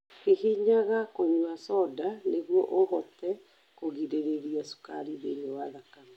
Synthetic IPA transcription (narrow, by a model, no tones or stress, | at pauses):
kihiɲaɣakoɲwasɔdaneɣwɔʔoɦɔtɛ | koɣiɾeɾeɾiasu̥kaɾiðḛɾeawaðakama